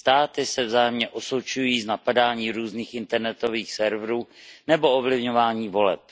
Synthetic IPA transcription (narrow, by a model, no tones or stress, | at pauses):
st̪aːt̪ɪsɛvzaːjɛmɲɛʔo̞sot͡ʃujiːznapadaːɲiːɾuːzniːxʔɪnt̪ɛɾnɛt̪o̞viːxsɛɾvɾuːnɛbo̞ovlɪvɲovaːɲiːvo̞lɛ̰p̚